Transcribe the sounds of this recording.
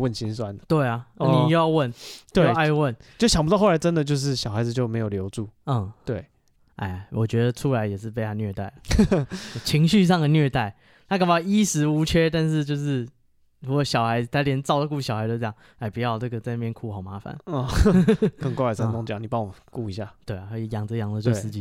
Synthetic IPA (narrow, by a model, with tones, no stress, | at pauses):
wə˥˨nɕi˥nswa˦nt̪we˥˩ɪa˩˥n˨˩jo˥˩˦jɑ˥˧ʊwə˥˩nt̪we˥˩a˥˧˦wə˥˨˩no˥˩ɕɑ˨ŋpu˧˥ɑ˥˧xla˧˥ɪʈ͡ʂə˦˥nd̪ə˨t͡ɕjo˥˧ʊʂ̬ɻ̩˥˩ɕjɑ˨˩ʊxa˧˥ɪd͡z̩˩t͡ɕjo˥˩me˧˥ɪjo˨˩ʊljo˧˥ʊʈ͡ʂu˥˩˥t̪we˥˩ɪ | ʔa̰˥˩ɪ˩wʔɔ˨˩t͡ɕɥɛ˧˥d̪ə˨ʈ͡ʂʰu˥la˧˦˥ɪjɛ˨˩ʂɻ̩˥˧p̬e˥˧ɪa˥˧nɥɛ˥˧t̪a˥˩ɪlə˩˥˩ | t͡ɕʰi˧˥ŋɕy˥˧ʂ̬ɑ˥˩ŋd̪ə˩nɥɛ˥˧t̪a˥˩ɪ | na˥˩kə˨˩bji˥sɻ̩˧˥u˧˥t͡ɕʰɥɛ˥t̪a˥˧nʂ̬ɻ̩˥˧t͡ɕjo˥˧ʊʂɻ̩˥˩ | ɻu˦˥kwɔ˨˩ɕjɑ˨˩ʊxa˧˥ɪd͡z̩˧t̪ʰa˧˥ljɛ˧˥nt͡sɑ˥˧ʊlə˨ku˥˩ɕjɑ˨˩ha˧ɪd͡zjɑ˩ŋ | a˥˩ɪpu˨˩jɑ˥˧ʊna˥˩ɡə˩t͡sa˥˧ɪna˥˩jɛ˥˨nkʰu˥˩xɑ˨˩ʊma˧˦˥fa̰˨˩˦nɔ˥˧kə˥˩ŋkwa˥˧a˨˩sa˥nt̪ɔ˥ŋt͡ɕjɑ̰˨˦ŋni˨˩p̬ɑ˦ŋwɔ˨˩ku˥˩i˧˥ɕja̰˥˩t̪we˥˩ɪa˨˩kʰi˨˩jɑ˨˩ŋd͡z̩˨˦jɑ˨˩ŋd͡zə˧˩t͡ɕo˥˧˥ʂɻ̩˥˧˩t͡ɕi˧